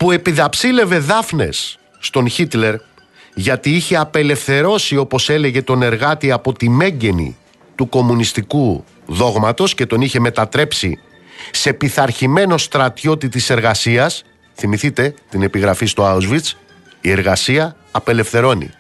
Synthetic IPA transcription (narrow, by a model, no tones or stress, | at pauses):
pue̞piðɐpsile̞ve̞ðɐfne̞sː | t̪o̞nçit̪le̞ɾ | ʝɐt̪iiçe̞ɐpe̞le̞fθe̞ɾo̞sio̞po̞se̞le̞ʝe̞t̪o̞ne̞ɾɣɐt̪iɐpo̞t̪ime̞ɲɟe̞nḭ | t̪uko̞munist̪iku | ðo̞ɣmɐt̪o̞sce̞t̪o̞niçe̞me̞t̪ɐt̪ɾe̞psḭ | se̞piθɐɾçime̞no̞st̪ɾɐt̪ço̞t̪it̪ise̞ɾɣɐsiɐs | θimiθit̪e̞t̪ine̞piɣɾɐfist̪oauzvit͡s | ie̞ɾɣɐsiɐː | pe̞le̞fθe̞ɾo̞nḭ